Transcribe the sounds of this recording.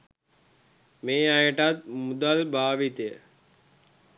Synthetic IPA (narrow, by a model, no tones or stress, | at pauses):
meːajəʈat̪̚mud̪albaːʋit̪əjə